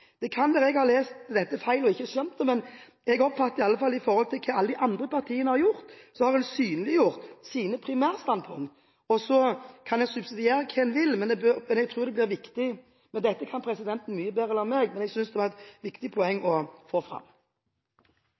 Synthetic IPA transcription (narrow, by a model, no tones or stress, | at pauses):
d̪̥ɛkʰɑnʋɛːʁɛɡhɑːleːst̪d̪ɛt̪ːəfæɪlɔɪçːəsœmt̪əmɛn | ɛɡɔpfɑt̪ːəɪɑlːəfɑlːɪfɔɾhɔlt̪ʰɪlkʰɛːɑlːəd̪ɪʔɑnd̪ʁəpʰɑʁt̪ʰiːənəhɑʁjʊɾt̪sɔhɑʁhɛnsyːnəlɪjʊʁt̪siːnəpʰɾɪmæːʁst̪ɑnd̪pʰʊŋkt̪ | ɔsɔkʰɑnɛɡsʉbsɪd̪ɪeːɾəkʰɛnʋɪlmɛnd̪ɛbømɛnɛɡt̪ʰɾuːd̪ɛblɪːʁʋɪkt̪ɪ | mɛnd̪ɛt̪ːəkʰɑnpʰɾɛsɪd̪ɛnt̪n̩myːəbeːɾɛlɑnmeɡmɛnɛɡsʏnsd̪ɛʋɑʁɛt̪ʋɪkt̪ɪpʰɔɛŋːɔfoːfɾɑ̰m